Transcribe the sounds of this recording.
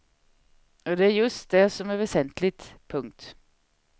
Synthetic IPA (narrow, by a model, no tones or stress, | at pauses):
oːd̪ɛæɾjʉst̪̚d̪ɛsɔmɛʋɛsɛnt̪lɪt̪pʰʊŋt̪